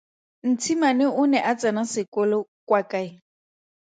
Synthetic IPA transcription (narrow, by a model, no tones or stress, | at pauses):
n̩t͡sʰimanɛʊnɛʔat͡sʼanasɪkʼɔlɔkʼwakʼaɪ